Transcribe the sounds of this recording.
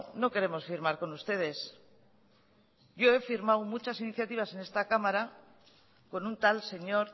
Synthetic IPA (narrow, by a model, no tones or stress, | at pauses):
no̞ke̞ɾe̞mo̞sfiɾmaɾko̞nust̪e̞ð̞e̞s | ʝo̞e̞fiɾmawmut͡ʃasiniθjat̪iβ̞ase̞ne̞st̪akamaɾa | ko̞nunt̪alse̞ɲo̞ɾ